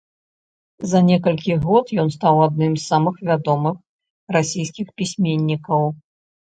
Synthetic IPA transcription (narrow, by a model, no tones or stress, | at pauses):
zɐnʲɛkɐlʲkʲiɣɔt̪jɔnst̪awad̪̚nɨmsːamɨxvʲad̪ɔmɨx | rasʲijskʲixpʲisʲmʲenʲːikɐw